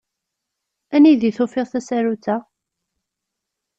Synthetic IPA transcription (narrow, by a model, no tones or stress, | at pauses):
æniðiθʊfɪʁθæsæɾut͡sːæ